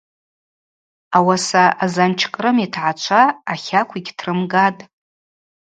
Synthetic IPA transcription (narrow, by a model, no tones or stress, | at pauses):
awasaazant͡ʃʰkʼrɨmitʰʕat͡ʃʷʰaːχʲakʷʰiɡʲtʰrɨmɡatʼ